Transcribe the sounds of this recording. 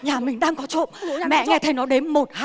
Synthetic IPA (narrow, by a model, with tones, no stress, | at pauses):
ɲaː˨˩mï˨˩ŋ̟ɗaː˧ŋkɔ˨˦t͡ɕo̰˧˨nmɛ̰˧˨ŋɛ˧˩t̪ʰə˨˦jnɔ˨˦ɗe˨˦nmo˨˩t̚ha˧